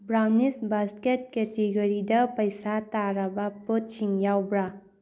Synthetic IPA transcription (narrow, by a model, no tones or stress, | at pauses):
bɾawnisbasket̚ketiɡɐɾidɐpɐjsataɾɐbɐpot̚t͡ʃiŋjawbɾa